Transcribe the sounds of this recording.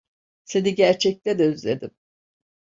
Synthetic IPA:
se̞niɟæɾt͡ʃʰɛc̚t̪ɛd̪ɛyzlʲed̪im

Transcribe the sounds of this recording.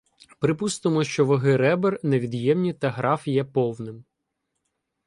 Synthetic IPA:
pɾɪpust̪ɪmɔʃt͡ʃɔʋɐɦɪɾɛberneʋʲid̪jɛmnʲit̪ɐɦɾɑfjɛpɔwnɪm

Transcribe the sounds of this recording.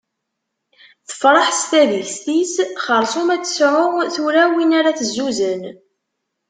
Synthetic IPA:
θə̥fɾˤɑħst̪æðilst̪isχəɾˤsˤomæt͡sːsʕʊʁθuɾæwinaɾæθəzːuzən

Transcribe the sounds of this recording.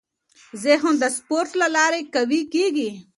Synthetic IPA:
zeɦond̪əspoɾʈlalɑːɾekawikeɡi

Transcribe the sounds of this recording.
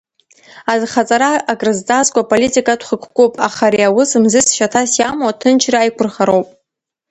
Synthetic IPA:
azχat͡sʼaɾaaɡʼrɨzdaskʷʼapʼolitʼikʼatχəkʷʰkʷʼupʼa̰χaɾiawʊsɨmzɨsʃatʰasjamwatʰɨnt͡ʃʰraːjkʷʰʊrχaɾo̞wpʼ

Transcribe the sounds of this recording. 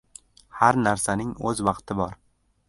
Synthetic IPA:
haɾnaɾsanɪŋɵzwɑqt̪ʰɪbɒɾ

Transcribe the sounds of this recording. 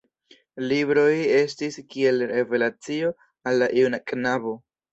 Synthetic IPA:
libɾo̞je̞stiskie̞lɾe̞ve̞lat͡sio̞ | alːaʔiwnakʼnabo̞

